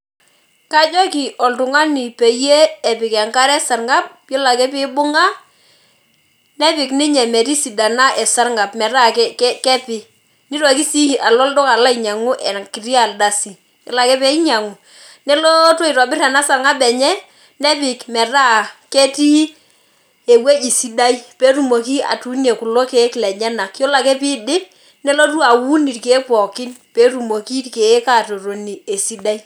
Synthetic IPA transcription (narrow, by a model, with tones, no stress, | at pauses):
ka˦d͡ʒɔ˦kɪ˨ʔɔ˨ltʊ˨ŋa˦nɪ˨pe˨je˦ɛ˨pɪ˨kɛ˨ŋka˦ɾɛ˦sa˨ɾŋa˦p̚ | jɔ˦la˨kɛ˦pɪ˦bʊ˦ŋa˦ | nɛ˦pɪ˨knɪ˦ɲɛ˨mɛ˨ti˦si˨da˨na˦ʔɛ˨sa˦rŋa˨pmɛ˨ɾa˦kkkɛ˦pɪ˨ | nɪ˦ɾɔ˨ki˦si˦hi˨ʔa˨lɔ˦ldɔ˦ka˨la˦i˨ɲa˨ŋʊ˦ʔɛ˨kɪ˨ri˦a˨lda˨si˨ | ɪ˨la˨kɛ˦pɛ˦i˦ɲa˨ŋʊ˨ | nɛ˦lo˦to˦i˨ta˨bɪ˦ra˨na˦sa˨ŋa˦bɛ˨ɲɛ˦ | nɛ˦pɪ˨kmɛ˨ra˦ke˦ti˦ | e˨we˦i˨si˦da˦i˦pe˦tu˨mo˨ki˦a̰˨tu˦ne˨kʊ˨lo˦ke˨˦klɛ˨ɲɛ˦na˨kjo˦la˨kɛ˦pɪ˦dɪ˦ | nɛ˦lo˦t̬u˦a˨wu˦ni˨tke˨˦pɔ˨kɪ˦npe˦tu˨mo˨ki˦tke˨˦ka˨to˨ɾo˨ni˨e˨si˨˦da˦i˦